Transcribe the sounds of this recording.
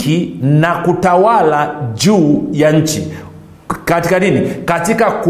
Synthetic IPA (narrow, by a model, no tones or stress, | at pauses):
inakutawalad͡ʒuːjaɲ̩t͡ʃḭ | katikaɗinikatikaku